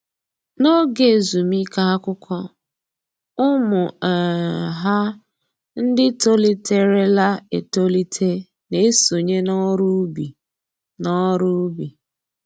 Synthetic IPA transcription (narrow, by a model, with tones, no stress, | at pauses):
no˦ɡe˨zu˨mi˦ka˦ɦa˦kʊ˦kʷɔ˦ | ʊ˦mʊ˨ | ɦa˦ | n̩˦dɪ˦to˦li˦tʰe˦ɾe˦la˦ḛ˨to˦li˦tʰe˦ | ne˦e˦so˨ɲe˦nɔ˦ɾu˦bi˨ | nɔ˦ɾʊ˦bi˨